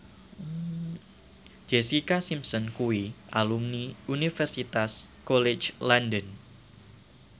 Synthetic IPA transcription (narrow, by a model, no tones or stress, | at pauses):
d͡ʒ̥esikasimsɔnkuiʔalumniunifɛrsit̪askɔlet͡ʃlandən